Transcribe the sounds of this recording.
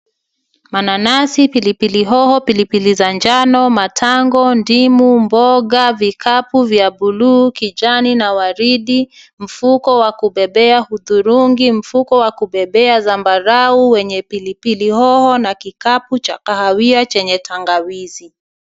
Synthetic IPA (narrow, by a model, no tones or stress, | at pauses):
mananasipilipiliɦɔhɔpilipilizand͡ʒanɔmatʰaŋɡɔndimumbɔɠavikʰapuvjaɓuluːkid͡ʒaninawaɾiɗi | m̩fukɔwakuɓɛɓɛahuðuɾuŋɡim̩fukɔwakuɓɛɓɛazambaɾauwɛɲɛpilipilihɔhɔnakikaput͡ʃakahawiat͡ʃɛɲɛtʰaŋɡawizi